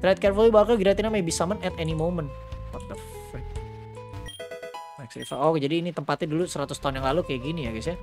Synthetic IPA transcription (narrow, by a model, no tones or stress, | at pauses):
t̪ɾat̪̚kɛrfəlibaakəlɡiɾat̪inamejbisamənɛt̪ɛnimomənpərd̪əfɛ | maksɾḭfa̰ɔkd͡ʒadiːnit̪əmpat̪adulusəɾat̪ʊst̪aʊnjaŋlalukajaɡinijaɡisja